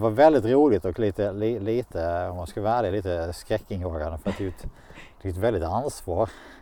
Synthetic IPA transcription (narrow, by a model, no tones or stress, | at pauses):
ʋɑɾvɛld̪ɪt̪ɾuːlɪt̪ɔkliːt̪əliːliːt̪ʰəɔmanskʉləæːd̪əliːt̪əskɾɛkːɪŋjoːɡand̪əfœɾat̪̚d̪ɛjʉt̪ | ɛjʉːt̪ʋvɛld̪ɪt̪ansvɑːɾ